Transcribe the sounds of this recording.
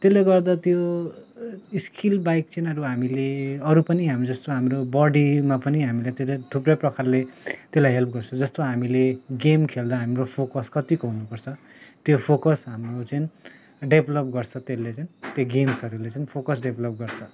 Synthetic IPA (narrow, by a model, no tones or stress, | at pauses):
t̪eleɡʌrd̪at̪jo | iskilbajk̚t͡senʌɾuɦamileʌɾupʌniɦamid͡zʌst̪oɦamrobʌɽimapʌniɦamilajt̪elaʈ̪ʰuprʌjprʌkarlet̪elajɦelpʰɡʌrt͡sʰʌd͡zʌst̪oɦamileɡemkʰeld̪aɦamropʰokʌskʌt̪ikoɦunupʌrt͡sʰʌ | t̪jopʰokʌsɦamrot͡sʌjn | ɖebʱlʌp̚ɡʌrt͡sʰʌt̪elːet͡saint̪jeɡemsʌɾulet͡sainpʰokʌsɖebʱlʌp̚ɡʌrt͡sʰʌ